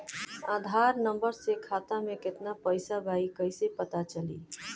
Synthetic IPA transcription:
aːd̪ʱaɾnəmbəɾsekʰat̪amẽkɪt̪napəɪsabʱaikəɪsepət̪at͡ʃəlḭ

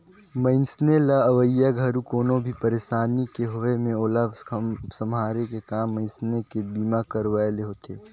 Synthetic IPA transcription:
mə̃ɪnsnelaɐʋəjːaɡʱɐɾukoːnõbʱipəɾeːʃaːnikeɦʊemẽoːlaːbsɐmɦaːɾekekaːmːə̃ɪnsnekebiːmakɐɾʋaːeleɦot̪ʰeː

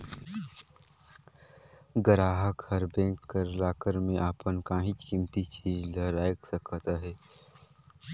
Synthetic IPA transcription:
ɡəɾaːɦəkəɾbɛ̃ːkːəɾlaːkəɾmẽʔaːpənkaːɦĩt͡ʃkimt̪it͡ʃiːd͡ʒləɾaːjksəkʰət̪aɦɛː

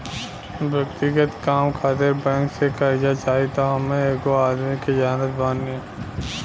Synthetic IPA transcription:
bʱjɐkt̪ɪɡət̪kaːmkʰaːt̪ɪɾbɛ̃ŋksekɐɾd͡ʒat͡ʃaːɦit̪oɦɐmẽeːkoaːd̪mikid͡ʒaːnət̪̚bãːnːi

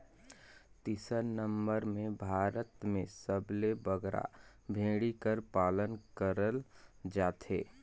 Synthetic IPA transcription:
t̪isəɾnə̃mbəɾmẽbʱaːɾət̪mẽsəblebəɡɾa̰ | bʱẽːɽikəɾpaːlənkəɾəld͡ʒaːt̪ʰḛː

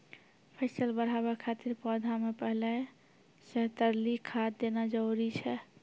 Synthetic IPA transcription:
pʰəsəlbəɾ̤abakʰat̪iɾpɔd̪ʱamepəɦlɛ | sɛɦt̪əɾlikʰad̪d̪enad͡ʒəuɾit͡ʃʰɛ

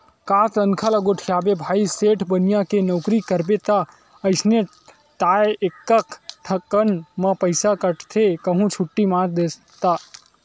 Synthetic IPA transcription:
kaːt̪ənkʰaləɡoʈʰijaːbebʱaːiseːʈʰbənjãkenɔʊkɾikəɾbet̪a | əɪsne | t̪aːeekːəkʈʰɐkːənmɐ̃pəɪsakəʈt̪ʰekɐɦũt͡ʃʰʊʈːimãːɾd̪eːs | t̪aː

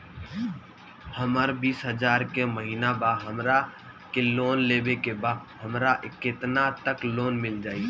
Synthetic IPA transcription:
həməɾbiːsɦəd͡ʒaːɾkeməɦiːnabaːɦəmɾa | keloːnleːbekebaːɦəmɾaʔɪkeːt̪nat̪əkloːnmɪld͡ʒaːiː

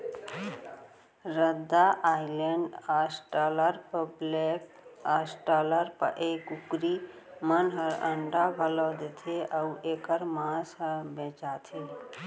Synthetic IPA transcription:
ɾəd̪ːaʔaileɳɖasʈələɾpəblek | asʈaləɾpə̰ʔekukɾimənɦəɾə̰ɳɖabʱəlɔd̪et̪ʰeʔəuʔekəɾmãsɦəbẽt͡ʃat̪ʰi

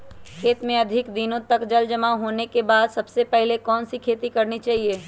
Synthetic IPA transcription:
kʰeːt̪mẽɐd̪ʱɪkd̪inõt̪ɐkd͡ʒɐld͡ʒɐmaɦoːnekebaːd̪sɐbsepɛɦlekɔːnsikʰeːt̪ikɐɾnit͡ʃaːɦieː

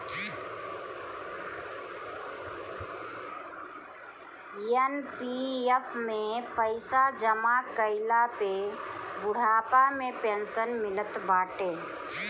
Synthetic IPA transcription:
jenpiepʰmẽpəɪsad͡ʒəmakəɪlapebʊɽ̤aːpamẽpẽːnsənmɪlət̪baːʈeː

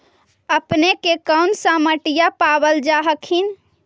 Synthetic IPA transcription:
əpnekekəwnsə̃məʈijapabəld͡ʒaɦəkʰin

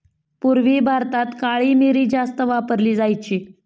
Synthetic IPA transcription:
puɾʋiːbʱaɾt̪at̪kaɭiːmeɾiːd͡zast̪əʋapəɾliːd͡zajt͡ɕiː

